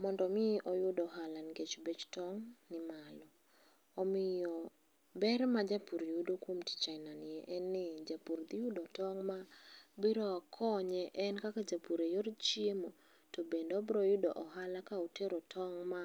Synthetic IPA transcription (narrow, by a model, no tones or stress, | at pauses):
mɔndɔmɪʔɔjʊdɔɦalanɡet͡ʃbet͡ʃtɔŋnɪmalɔː | mɪjɔ | bɛrmad͡ʒapuɾejudokwomti̥t͡ʃaɪnanɛʔɛnːɪd͡ʒapuɾd̪ɪjʊdɔtɔŋmabiɾɔakʰɔɲɛʔɛnkakad͡ʒapuɾejoɾt͡ʃiemo | tobendɔbɾɔjʊdoʔɔɦalakaoteɾotʰɔŋma